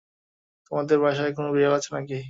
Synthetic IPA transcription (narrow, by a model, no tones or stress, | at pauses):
t̪omad̪eɾbʱaʃaekonobialat͡ɕʰenaki